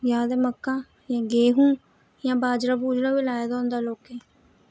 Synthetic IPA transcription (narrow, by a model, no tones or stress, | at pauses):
jaːd̪eːməkːãː | jãːɡeːɦũː | jãːbaːd͡ʒɾaːbuːd͡ʒɾaːʋilaːjaːd̪ãːnd̪aːloːkeː